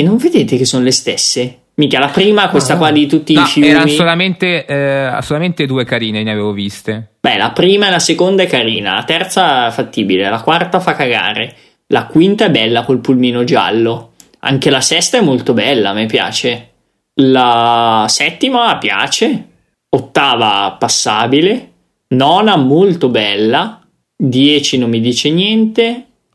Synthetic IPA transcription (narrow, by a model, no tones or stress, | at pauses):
enːoɱved̪eːt̪ek̟esːonolest̪esːe | miːkalapɾiːmakwest̪akwad̪it̪ut̪ːifiɛːɾanmisolament̪ḛsolut̪ament̪ed̪uːekaɾiːneneaveːvovist̪ebɛlapɾiːmaɛlasekond̪aɛkaɾiːna̰lat̪ɛrt̪saɛfat̪ːiːbilelakwart̪afakːaɡa̰ːɾe | lakwint̪aɛbːɛlːakolpulmiːnod͡ʒa̰lːo | a̰ŋk̟elasɛst̪aɛmːolt̪obɛlːamepja̰ːt͡ʃe | lasɛt̪ːimapja̰ːt͡ʃe | ot̪ːaːvapasːaːbile | nɔnaɛmːolt̪obɛlːa | d̪jɛːt͡ʃinomːid̪iːt͡ʃenjɛnt̪e